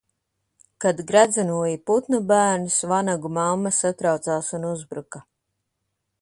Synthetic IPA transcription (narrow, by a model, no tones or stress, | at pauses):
kad̪ɡɾad̪zanuɔjiput̪nubæːɾnusvanaɡumamːasat̪ɾawt̪saːsunuzbɾuka